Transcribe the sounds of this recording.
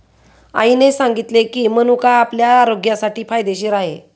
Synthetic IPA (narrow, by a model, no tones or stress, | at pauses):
a̰inesãŋɡit̪lekiːmənukaːpljaːɾoɡjasaʈiːfajd̪eɕiːɾaɦḛ